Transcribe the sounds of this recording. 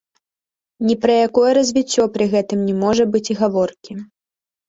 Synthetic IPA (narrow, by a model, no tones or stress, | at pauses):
nʲipɾɐjakɔjɛɾɐzʲvʲit͡sʲːɔpɾɨɣɛt̪ɨmnʲɛmɔʐɐbɨt͡sʲiɣavɔrkʲi